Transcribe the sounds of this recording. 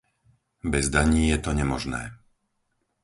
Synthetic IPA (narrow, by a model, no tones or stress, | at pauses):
bɛzd̪aɲiːjɛt̪ɔɲɛmɔʒnɛ̰ː